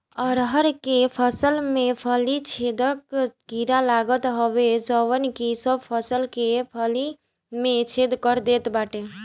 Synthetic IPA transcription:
ɔːɾɦəɾkepʰəsəlmẽpʰəlit͡ʃʰed̪əkkiɾalaɡət̪ɦəʋed͡ʒəwənkisəbpʰəsəlkepʰəli | mẽt͡ʃʰed̪kəɾd̪et̪baːʈe

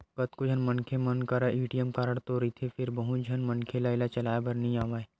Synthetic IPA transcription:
kɐt̪kod͡ʒʱɐnmɐnkʰemɐnkɐɾajuːʈijəmkaːɾəɽ̃t̪oɾit̪ʰefʰɪɾbɐɦũd͡ʒʱɐnmɐnkʰelaɪlat͡ʃɐlaːebʱɐɾnɐɦĩaːʋaːe

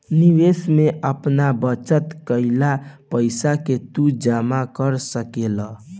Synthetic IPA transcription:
niʋesmeʔəpnabət͡ʃət̪kəɪlapəɪsaket̪ud͡ʒamakəɾsəkelə

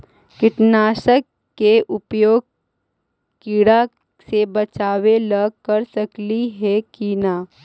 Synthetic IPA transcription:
kɪʈnaːʃəkː | eʔʊpjoːɡ̚ | kiɽa | sebɐt͡ʃaːwelɐɡ̚kɐɾsɐkliɦɛkinaː

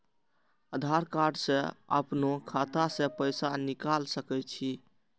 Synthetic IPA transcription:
əd̪ʱaɾkaɾɖsẽə̰pnokʰat̪asẽpəjsanikalsəkɛt͡ʃʰi

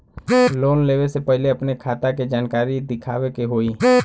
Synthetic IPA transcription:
loːnleːʋesepɛɦleɐpnekʰaːt̪aked͡ʒaːnkaːɾid̪ɪkʰaːʋekeɦoːiː

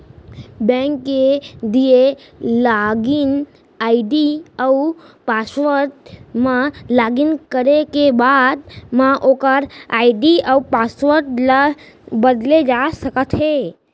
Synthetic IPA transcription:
bɛ̃ŋkːed̪ie | laɡin | aiɖiəu | pasʋəɾt̪̚mãlaɡinkəɾekebad̪mãʔokəɾaiɖiəupasʋəɾt̪̚lə | bəd̪led͡ʒaʃəkət̪ʰɦe

